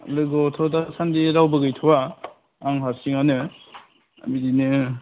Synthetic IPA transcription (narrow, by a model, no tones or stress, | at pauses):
lɯɡɔtʰɔdasandiɾawbɯɡɯjtʰɔwaː | ŋɦasiŋanɯ | a̰midinɯ